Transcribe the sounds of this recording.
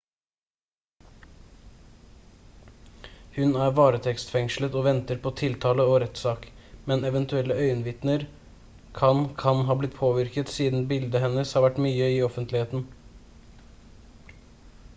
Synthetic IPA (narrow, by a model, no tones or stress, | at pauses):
hʉnæːɾʋɑːɾət̪ʰɛkst̪fɛŋʃlət̪oːʋɛnt̪əɾpʰɔt̪ʰɪlt̪ʰɑːləoɾɛt̪sɑːk | mɛnɛʋənt̪ʉɛlːəœʏnʋɪt̪nəɾ | kʰɑnkʰɑnɦɑːblɪt̪pʰoːʋɪɾkət̪siːd̪n̩bɪld̪əɦɛnəshɑːɾʋæʈːmyːəɪɔfənt̪lɪheːt̪n̩